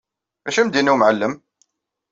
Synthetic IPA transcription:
bæʃimd̪inuwmʕalːəm

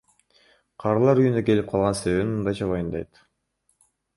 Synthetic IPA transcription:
qʰɑɾlˠɑɾyjynd̪øke̞lip̚qʰɑlˠʁɑnse̞βe̞βinmɯnd̪ɑjt͡ʃʰɑβojɯnd̪ɑjt̪

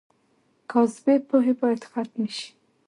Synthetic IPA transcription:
kawzbepoɦebɑjat̪xat̪miʃi̥

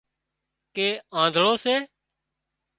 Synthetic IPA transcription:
keːãːnd̪ʱɭoːseː

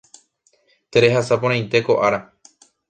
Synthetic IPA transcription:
t̪e̞ɾe̞ɦasapoɾ̃ãj̃nt̪e̞ko̞ʔaɾa

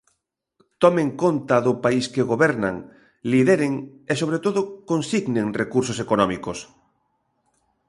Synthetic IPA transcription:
t̪ɔmẽŋkont̪aðʊpaiskeɣoβɛɾna̰ŋ | liðeɾeŋesoβ̞ɾet̪oðʊkonsiɣneŋrekuɾsosekonɔmikos

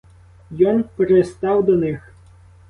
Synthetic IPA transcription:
jɔnpeɾest̪ɑwd̪ɔnɪx

